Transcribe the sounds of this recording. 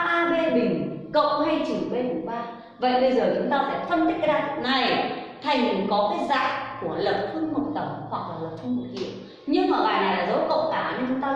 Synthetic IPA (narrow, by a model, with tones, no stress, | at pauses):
ʔaː˧ve˧ɓï˨˩ŋ̟kə̰˧˨wŋ͡mha˧jt͡ɕɨ˨˩ŋɓe˧ɗu˨˦ɓaː˧ | və̰˧˨jɓə˧jzəː˨˩t͡ɕʊ˨˦ŋ͡mt̪aː˧faː˧˩fə˧nt̪ï˦˥k̟̚zaː˧˩˨na˨˩jt̪ʰa˨˩jŋmi˨˩˦ŋkɔ˨˦kaː˨˦jza̰ː˧˨jku˧˩ələ˨˩p̚t̪ʰwu˧nmʊ˨˩t̚t̪ə˧˩wŋ͡mhwa˨˩k̚laː˨˩lə˨˩p̚t̪ʰu˧ŋmu˨˩t̚kḭ˧˨əw | ɲɨ˧ŋmaː˨˩ɓaː˨˩na˨˩jlaː˨˩zə˨˦wkə̰˧˨wŋ͡mt̪aː˧˩ɲə˧t͡ɕʊ˨˦ŋ͡mt̪aː˧